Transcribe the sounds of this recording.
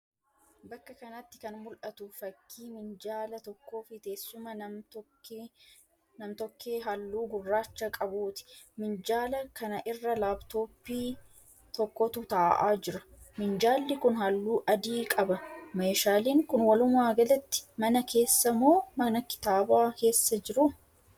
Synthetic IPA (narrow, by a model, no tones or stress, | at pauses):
bɐkːɐkɐnɐt̪ːɪkɐnmʊlʔɐt̪ʊfɐkːiːmɪnd͡ʒaːlɐt̪ɔkːo̞ːfɪt̪e̞ːsːʊmɐnɐmt̪ɔkː | nɐmt̪ɔkːeːɦɐlːuːɡʊrːaːt͡ʃːɐkʼɐbuːt̪ɪ̥mɪnd͡ʒaːlɐkɐnɐʔɪrːɐlaːbt̪o̞ːpːiː | t̪ɔkːɔt̪ʊt̪aːʔa̰ːd͡ʒɪɾɐ̥mɪnd͡ʒaːlːɪkʊnɦɐlːuːʔɐd̪iːkʼɐbɐmɐːʃaːliːŋkʊnwɐlʊmaːɡɐlɐt̪ːɪ̥mɐnɐkʰe̞ːsːɐmoːmɐnɐkɪ̥t̪aːbaːke̞ːsːɐd͡ʒɪɾʊ